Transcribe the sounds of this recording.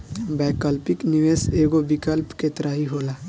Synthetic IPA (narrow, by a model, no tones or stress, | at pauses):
bɛːkəlpɪkniʋeːseːɡobɪkəlpket̪ɾaːɦiɦoːlaː